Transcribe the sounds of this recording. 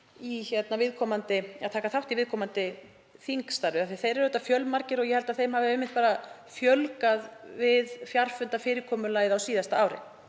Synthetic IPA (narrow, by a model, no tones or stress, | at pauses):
içɛt̪navɪðkʰɔːmant̪ɪa̰ðt̪ʰaːkaθawht̪ivɪːðkʰɔːmant̪ɪ | θiŋkst̪aɾvɪaθeθejɾɛɾːt̪afjœlmaɾcɪɾɔɣjɛhɛlt̪aðθejmhavɪɪːmːɪht̪̚paːɾa | fjœlkaðvɪðfjar̥fʏnt̪afɪːɾɪkʰɔːmʏlaːjðawsiːðast̪aaːwɾɪ̰